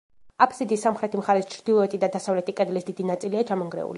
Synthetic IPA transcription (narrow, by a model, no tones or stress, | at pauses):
apʰsid̪isːamχɾɛt̪ʰimχaɾɛst͡ʃʰɾd̪ilˠɔɛt̪ʼid̪ad̪asavlɛt̪ʰʼikʼɛd̪lisd̪id̪inat̪sʼiliat͡ʃʰamɔŋɡɾɛ̰ṵli